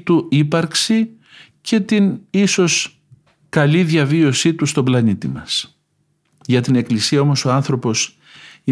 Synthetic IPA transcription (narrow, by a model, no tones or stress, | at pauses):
t̪uipɐɾksi | ce̞t̪iniso̞s | kɐliðʝɐvio̞sit̪ust̪o̞blɐnit̪ḭmɐs | ʝɐt̪ine̞klisiɐo̞mo̞so̞ɐnθɾo̞po̞s | i